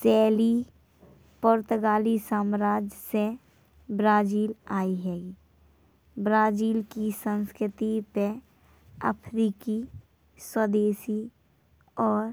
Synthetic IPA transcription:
sɛːli | poɾt̪əɡaːlisaːmɾaːd͡ʒse | bɾaːd͡ʒiːlaːiɦɛːɡi | bɾaːd͡ʒiːlkisə̃nskɾɪt̪ipe | ə̰pʰɾiːki | swəd̪eːsi | ɔːɾ

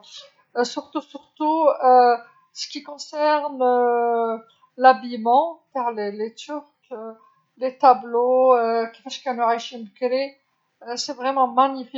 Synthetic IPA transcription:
syʁt̪usyʁt̪uø | sə̥kʲikɔ̃sɛʁnø | labijmɑ̃paʁlelet̪yʁkø | let̪abloøkʲi̥faʃkɛ̃noʁajʃimkle | øsɛvʁɛmɑ̃maɲifi

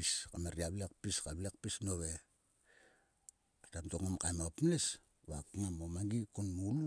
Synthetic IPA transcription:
iskameɾiaβlek̚piskaβlekpisnoβe | atamtoŋamkajmopmles | βakŋamomaŋɡikunmul

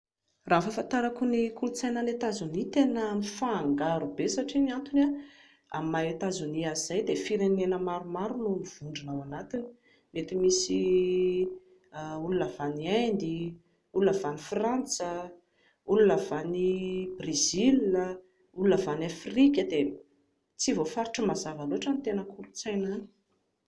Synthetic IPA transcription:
raːfafant̪aɾakunikulut͡sajnənet̪azunit̪enənifaːŋɡaɾubesaʈ͡ʂiniant̪una | a̰maet̪azuniaizajd̪efiɾenenəmaɾumaɾulomiv̥uɳɖ͡ʐinawanat̪ini̥ | met̪imisi | ulunavaniajnd̪i | ulunavanifrant͡sə | ulunavanibrezilə | ulunavanafrikʲəd̪e | t͡sivofaɾuʈ͡ʂəmazavaluaʈ͡ʂanit̪enəkʰuɾut͡sajnani̥

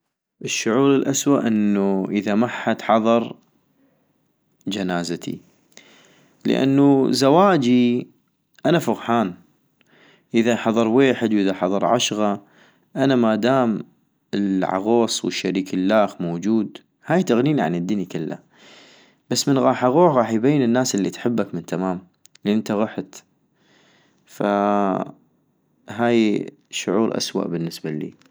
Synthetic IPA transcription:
ʔəʃːʊʕuːɾɪlʔaswaʔʔənːuʔəðamaħːat̪ħɑðˤɑɾˤ | d͡ʒanaːzat̪ʰḭ | lə̰ʔa̰nːuzawaːd͡ʒi | ʔanafʊɣħaːn | ʔɪðaħɑðˤɑɾˤweːħəd̪wʔɪðaħɑðˤɑɾˤʕaʃɣa | ʔanamad̪aːm | ɪlʕɑ̰ɣoːsˤwɪʃːaɾiːkɪlːaːxmoːd͡ʒuːd̪ | haːjt̪aɣniːniʕa̰nəd̪ːɪnikɪlːa̰ | b̥asːmənɣɑːħʔaɣoːħɣɑːħjbajːənənːaːsɪlːit̪ħɪbːakmɪnt̪amaːm | lːiʔənt̪aɣʊħt̪ | fa | ɦaːj | ʃʊʕuːɾʔa̰swa̰ʔbənːəsbalḭː

